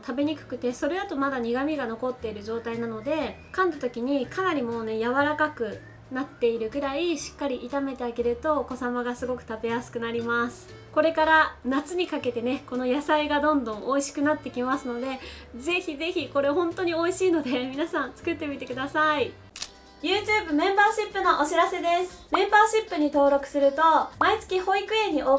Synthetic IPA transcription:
t̪ʰabe̞ɲ̟ikɯ̟̥kɯ̟t̪e̞so̞ɾe̞at̪o̞mad̪aɲ̟iɡamʲiɡano̞ko̞t̪ːe̞iɾɯ̟ʑo̞ːt̪ainano̞d̪e̞kãnt̪at̪o̞kʲiɲ̟ikʰanaɾʲimo̞ːne̞jaβaɾakakɯ̟ | nat̪ːe̞iɾɯ̟ɡɯ̟ɾaiɕi̥kːaɾʲiʔːt̪ame̞t̪e̞aɡe̞ɾɯ̟t̪o̞ːko̞samaɡasɨɡo̞kɯ̟̥t̪ape̞jasɨ̥kɯ̟naɾʲimasɨ̥ | ko̞ɾe̞kaɾanat͡sɨɲ̟ikake̞t̪e̞ne̞ko̞no̞jasaiɡad̪õ̞nd̪õ̞ɰ̃ʔo̞iɕi̥kɯ̟nat̪ːe̞kʲimasɨno̞d̪e̞ze̞çize̞çiko̞ɾe̞ɦõ̞nt̪o̞ɲ̟io̞iɕiːno̞d̪e̞mʲinasãnt͡sɨ̥kɯ̟t̪ːe̞mʲit̪e̞kɯ̟d̪asai | jɯ̟ːt͡ɕɨːbɯ̟mẽ̞mbaːɕipːɯ̟no̞ʔoɕiɾase̞d̪e̞sɨ̥mẽ̞mbaːɕipːɯ̟ɲ̟it̪o̞ːɾo̞kɯ̟̥sɨɾɯ̟t̪o̞mait͡sɨ̥kʲiho̞ikɯ̟ẽ̞ɲ̟ːiʔo

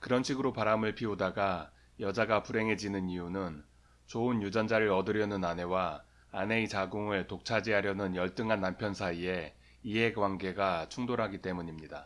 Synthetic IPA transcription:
kɯɾʌnɕʰiɡɯɾopaɾamɯɭpʰiodaɡa | jʌd͡ʑaɡapuɾe̞ŋɦe̞d͡ʑinɯniunɯn | t͡ɕoɯnjud͡ʑʌnd͡ʑaɾɯɾʌdɯɾjʌnɯnane̞waː | ne̞it͡ɕaɡoŋɯɭtok̚t͡ɕʰad͡ʑiɦaɾjʌnɯnjʌɭt͈ɯŋɦanːampʰjʌnsʰaie̞ | iɦe̞kwaŋɡe̞ɡat͡ɕʰuŋdoɾɦaɡit͈e̞muɲimɲida

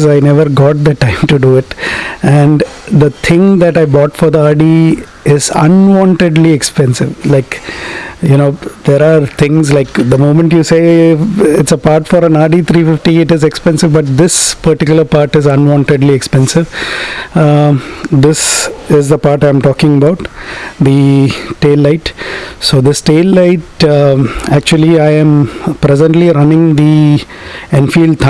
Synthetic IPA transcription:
zaɪnɛʋəɾɡɔːʈ̚d̪əʈãɪ̃mʈuɖuɪʈæ̃ɳɖd̪ət̪ʰɪ̃ŋd̪æʈaɪbɔːʈfɔːɾd̪iaːɖi | ɪzə̰̃nʋɔ̃ɳʈeɖliɛkspɛ̃nsɪʋlaɪk | junoːd̪̥eɾaːɾt̪ʰɪ̃ŋzlaɪkd̪əmõːmə̃ɳʈjuːseː | ɪʈsəpaːɾʈfɔːɾə̃naːɖit̪ʰɾiːfɪfʈiɪʈɪzɛkspɛ̃nsɪʋbɐʈ̚d̪ɪspɐɾʈɪkjʊləɾpaːɾʈɪzɐ̃nʋɔ̃ːɳʈeɖliekspɛ̃nsɪʋ | d̪ɪsɪzd̪əpaːɾʈãɪ̃mʈɔːkɪ̃ŋəbaʊʈd̪iʈeːlːaɪʈsoːd̪ɪsʈeːlːaɪʈ | æk̚t͡ʃuəliaɪɛ̃mpɾɛzə̃ɳʈliɾʌ̃nɪ̃ŋd̪i | ɛ̃nfiːlɖ̚t̪ʰ

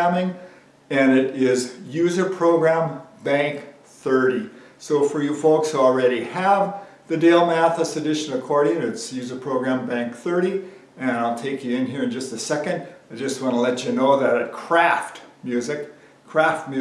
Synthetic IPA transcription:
mɪ̃ŋ | ɨ̃nɪɾɪzjʉzə˞pʰɹ̥oʊɡɹæ̃mbæ̃ŋk | θɜ˞ɾi | soʊfə˞jɨfoʊkshul̩ˠɹɛɾiəv | ðɨdeɪlˠmæθɨsɨdɪʃɨ̃nɨkʰɔɹɾɪ̃ŋɨtsjʉzə˞pʰɹ̥oʊɡɹæ̃mbæ̃ŋkθɜ˞ɾi | ɨ̃ñaɪlˠtʰeɪkʰjɨɪ̃nhiɹɨ̃nd͡ʒʌst̪̚ɨsɛkɨ̃ndaɪd͡ʒʌst̚wɑ̃nəlɛt͡ʃɨnoʊðɨɾɨt̚kʰɹ̥æftmjʉzɨkʰː | ɹ̥æft̚mj

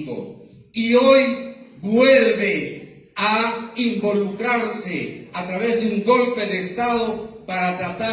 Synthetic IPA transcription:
bo̰ | iojɡwelβe | aimbo̞lukɾaɾseat̪ɾaβe̞zd̪euŋɡo̞lpe̞dest̪aðopaɾat̪ɾat̪a

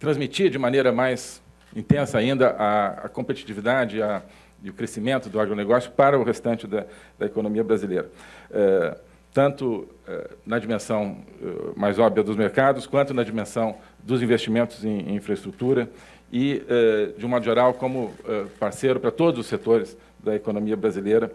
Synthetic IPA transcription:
t̪ɾɐ̃zmit͡ʃid͡ʒɪmɐ̃nejɾɐmajz̥ | ĩnt̪ẽsɐaĩnd̪ɐʔɐɐ̰kõmpet͡ʃi̥t͡ʃivid̪ad͡ʒɪɪɐ | ɪʊkɾesimẽnt̪ʊd̪ʊaɡɾoneɡɔsjʊpaɾɐʊhest̪ɐ̃nt͡ʃɪd̪ɐd̪ɐekonõmiɐbɾazilejɾɐɛ | t̪ɐ̃nt̪ʊɛ̰nɐd͡ʒimẽsɐ̃w̃ɛ̰majzɔbiɐd̪ʊzmeɾkad̪ʊskwɐ̃nt̪ʊnɐd͡ʒimẽsɐ̃w̃ | d̪ʊzĩvest͡ʃimẽnt̪ʊzẽj̃ĩfɾɐest̪ɾut̪uɾɐ | ɪɛd͡ʒɪũmɔd̪ʊʒeɾawkõmʊɛpaɾsejɾʊpɾɐt̪od̪ʊzʊsːet̪oɾɪs | d̪ɐekonõmiɐbɾazilejɾɐ

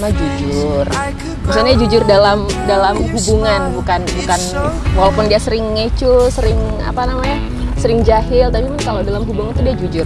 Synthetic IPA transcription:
mad͡ʒud͡ʒʊr | misʊlɲad͡ʒud͡ʒʊrdalamdalamɦubuŋanbukanbukanwalapʊndiasəɾɪŋːət͡ʃusəɾɪŋ | a̰panamaɲa | səɾɪŋd͡ʒaɦɪlt̪abipʊnkalodalamɦubuŋant̪udiad͡ʒud͡ʒʊr

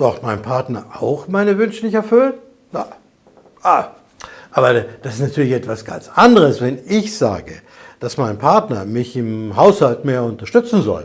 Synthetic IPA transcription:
d̥ɔχtmaɪnpʰaɐtnɐʔaʊxmaɪnəvʏnʃənɪçɛɐfʏln | ja | ʔaː | ʔaːbɐd̥asɪstnatʰyːɐlɪçɛtv̥asɡ̥a̰nt͡sʔandəʁəsvɛnɪçz̥a̰ːɡə̰ | d̥asmaɪnpʰaɐtnɐmɪçɪmɦaʊshaltmeːɐʊntɐʃtʏt͡sn̩zɔ̰l

